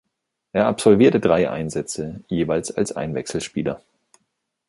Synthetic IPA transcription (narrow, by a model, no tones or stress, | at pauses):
ʔeːɐapz̥ɔlviːɐtədʁaɪʔa̰ɪnzɛt͡səjeːvaɪlsa̰lsʔa̰ɪnvɛksl̩ʃpiːlɐ̰